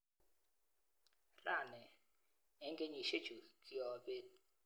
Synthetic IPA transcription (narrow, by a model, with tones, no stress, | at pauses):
ra˦˨nɛ˨ | ɛ˨˦ŋɡʼe˦ɲi˨ʃe̥˦ʒ̥ʱu˨kʼi˦ɔ˨ɓe˦t